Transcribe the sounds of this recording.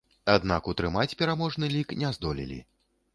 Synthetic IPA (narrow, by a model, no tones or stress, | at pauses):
ad̪̚nakut̪ɾɨmat͡sʲpʲɛɾamɔʐnɨlʲiknʲɛzd̪ɔlʲḭlʲḭ